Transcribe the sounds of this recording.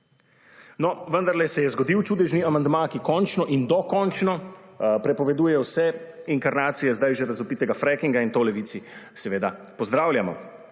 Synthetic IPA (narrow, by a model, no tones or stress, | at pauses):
nɔʋənd̪aɾlɛsɛjɛzɡɔd̪iwt͡ʃuːd̪ɛʒniamand̪makikɔnt͡ʃnɔʔind̪ɔkɔnt͡ʃnɔpɾɛpɔʋɛd̪uːjɛwsɛiŋkaɾnaːt̪sijɛzd̪ajʒɛɾazɔpiːt̪ɛɡafɾɛkiŋɡaint̪olɛʋit̪sisɛʋeːd̪a | pɔzd̪ɾaːwlʲjamɔ̰